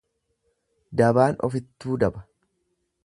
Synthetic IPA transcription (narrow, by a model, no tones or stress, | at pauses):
d̪ɐbaːnɔ̰fɪt̪ːuːd̪ɐbɐ̥